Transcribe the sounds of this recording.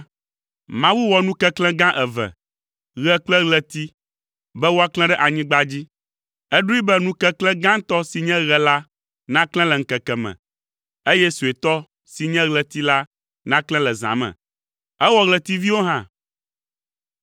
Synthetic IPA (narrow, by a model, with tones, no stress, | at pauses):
mã˨wu˦wɔ˨nũ˦kɛ˦klɛ̃˦ɡã˦ʔɛ˨vɛ̰̃˨ | ɣɛ˨k͡plɛ˦ɣlɛ˦t̪i˦ | bɛ˦wo˦a˦klɛ̃˦ɖɛ˦ʔa˨ɲĩ˦ɡ͡ba˦d͡ʑi˦ | ɛ˦ɖu˦i˦bɛ˦nũ˦kɛ˦klɛ̃˦ɡã˦t̪ɔ˦si˨ɲɛ̃˦ɣɛ˨la˦ | nã˦klɛ̃˦lɛ˨ŋ̩˨kɛ˨kɛ˨mɛ̰̃˨ | e˦jɛ˦su˨e˨t̪ɔ˦ | si˨ɲɛ̃˦ɣlɛ˨t̪i˦la˦ | nã˦klɛ̃˦lɛ˨zã̰˨mɛ̰̃˨ | ɛ˦wɔ˦ɣlɛ˨t̪i˦vi˦wo˦ɦã˦